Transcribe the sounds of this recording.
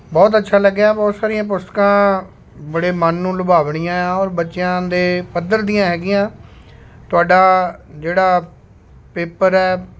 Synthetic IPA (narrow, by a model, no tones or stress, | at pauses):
bɔːt̪̬ətːʃʰaːləɡːaːbɔːt̪saːɾijãːp̬ʊst̪ə̥kãː | bəɽeːmənːũːlʊbaːʋɳ̃ɪjãːɔːɾbətːʃɪjãːd̪eːpəd̪əɾd̪ijãːɦɛːɡɪjãː | t̪ʊaːɖaːd͡ʒeːɽaː | peːpəɾɛː